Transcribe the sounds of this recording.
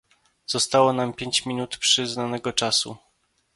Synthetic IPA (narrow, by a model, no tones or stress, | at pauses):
z̥ɔst̪awɔnampʲjeɲt͡ɕmʲinut̪pʂɘznanɛɡɔt͡ʂasṵ